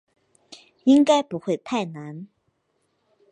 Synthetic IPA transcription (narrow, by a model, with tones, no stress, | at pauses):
i˥ŋka˥ɪpu˧˦xwe˥˨ɪt̪ʰa˥˩ɪna˧˦n